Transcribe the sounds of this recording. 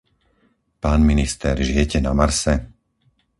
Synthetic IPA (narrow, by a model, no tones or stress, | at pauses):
paːnminist̪ɛɾʒɪjɛcɛnamaɾsɛ